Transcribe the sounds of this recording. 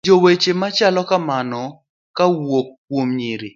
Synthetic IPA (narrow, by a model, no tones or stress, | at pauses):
d͡ʒowet͡ʃemat͡ʃalɔkamanɔ | kawokː | womɲiɾi